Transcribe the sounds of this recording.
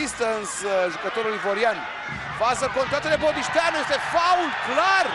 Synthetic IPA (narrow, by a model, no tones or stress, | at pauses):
ist̪ɐ̃nsʒokɐt̪oɾolˠivoɾjanu | fazɐkõnt̪ɾãt̪ɐlɛbõd̪iʃt̪aɾnw̃iʃst̪ɛfawlˠklˠaɾu